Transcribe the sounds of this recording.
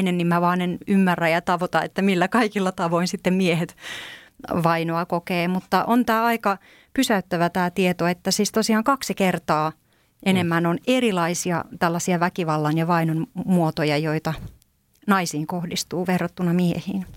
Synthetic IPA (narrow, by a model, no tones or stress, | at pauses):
nenːimmæʋɑːnenymːærːæjɑt̪ɑʋot̪ɑḛt̪ːæmilːækɑikilːɑt̪ɑʋoinsit̪ːemmiehet̪ | ʋɑinoɑkokeːmut̪ːɑʔont̪æːɑikɑ | pysæyt̪ːæʋæt̪æːt̪iet̪oet̪ːæsiːst̪osiɑːŋkɑksikert̪ɑː | ʔenemːænonerilɑisiɑ̰t̪ælːɑsiɑʋækiʋɑlːɑnjɑʋɑinonmuot̪ojɑjoit̪ɑ | nɑisiːŋkohdist̪uːʋehrːɑt̪ːunɑmiehiːn